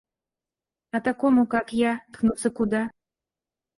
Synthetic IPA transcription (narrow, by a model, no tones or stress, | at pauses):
ɐt̪akɔmukakjat̪knut̪səkud̪a